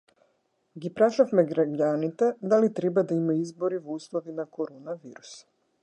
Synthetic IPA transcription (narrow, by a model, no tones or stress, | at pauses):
ɡipɾaʃafmɛɡɾaɟanit̪ɛd̪alit̪ɾɛbad̪aimaizbɔɾivɔuslˠɔvinakɔɾɔnaviɾus